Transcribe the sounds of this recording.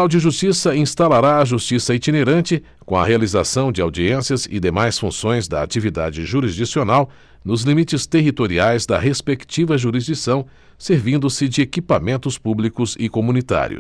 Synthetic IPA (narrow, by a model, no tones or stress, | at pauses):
awd͡ʒɪʒust͡ʃisɐĩst̪alaɾaɐʒust͡ʃisɐit͡ʃineɾɐ̃nt͡ʃɪ | kõɐ̰healiza̰sɐ̃w̃d͡ʒɪawd͡ʒiẽsjɐzɪ̰d̪emajsfṵ̃sõj̃zd̪ɐ̰a̰t͡ʃivid̪a̰d͡ʒɪʒuɾizd͡ʒisionaw | nʊzlimit͡ʃɪst̪eɦit̪oɾiajzd̪ɐ̰ɦespekt͡ʃivɐʒuɾizd͡ʒisɐ̃w̃ | seɾvĩnd̪ʊsɪd͡ʒɪekipamẽnt̪ʊspublikʊzɪkomũnit̪a̰ɾḭʊ̰